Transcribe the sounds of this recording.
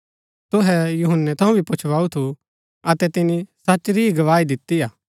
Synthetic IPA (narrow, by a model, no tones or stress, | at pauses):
t̪ʊɦɛjʊɦənːɛt̪ʰɐũbʱipʊt͡ʃʰʋaːut̪ʰu | ɐt̪ɛt̪ɪnisɐt͡ʃɾiɡɐʋaːid̪ɪt̪ːijaː